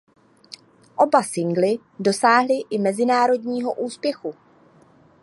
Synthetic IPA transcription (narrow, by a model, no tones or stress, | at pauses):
ʔo̞basɪŋɡlɪ | do̞saːɦlɪʔɪmɛzɪnaːɾo̞dɲiːɦo̞ʔuːspjɛxu